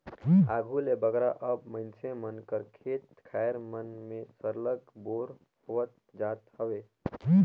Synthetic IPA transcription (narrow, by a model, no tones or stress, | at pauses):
aɡʱulebəɡɾaʔəbməɪnt͡ʃʰemənkəɾkʰet̪kʰaeɾmənmẽsəɾləɡboɾ | hoət̪̚ | d͡ʒat̪həbe